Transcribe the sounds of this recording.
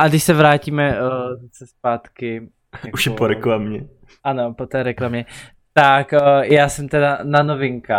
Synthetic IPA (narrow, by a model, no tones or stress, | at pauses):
ʔadɪʃsɛvɾaːciːmɛzasɛspaːt̪kɪ | uʃjɛpoɾɛklamɲɛ | ʔano̞pot̪ɛːɾɛklamɲɛ | t̪akjaːsɛmt̪ɛdananovɪŋka